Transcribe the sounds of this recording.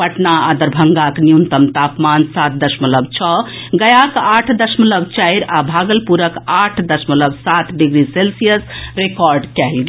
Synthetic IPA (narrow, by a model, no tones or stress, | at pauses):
pəʈnaad̪əɾbʱəŋɡaknijunt̪əmt̪apmansat̪̚d̪əsmələbt͡ʃʰɔɡəjakaʈʰd̪əsmələbt͡ʃajɾabʱaɡəlpuɾəkaʈʰd̪əsmələbsat̪ɖiɡɾiselsijəsɾekɔɾɖkɛlɡ